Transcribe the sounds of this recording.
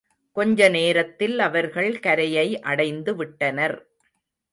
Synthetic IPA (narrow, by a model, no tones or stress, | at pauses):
kɔɲd͡ʒɐneːɾɐt̪ːɪlɐʋɐɾɣɐɭkɐɾɐjɐɪʔɐɽɐɪnd̪ɯʋɪʈːɐnɐɾ